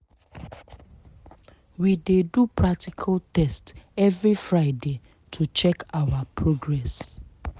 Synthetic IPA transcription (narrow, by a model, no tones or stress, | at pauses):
widedupɹak̚tikʰaltɛstɛvɹifɹaɪde | tʰut͡ʃɛkawapʰɹoɡɹɛs